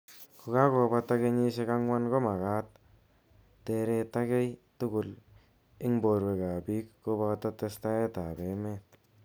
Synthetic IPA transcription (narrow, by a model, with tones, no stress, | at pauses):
kʊ˨ka˦ko˨ba˦ta˦ke˦ɲi˦ʃe˦ka˦ŋwa˦nko˦ma˨ka˦t̪̚ː | e˧ɾe˧ta˦ke˦jtʊ˦kʊ˨l | ɪ˦ŋbo˨ɾwe˨ka˨bi˦kːo˦ba˧ta˦te˧sta˦e˦ta˨be˨me˦t̚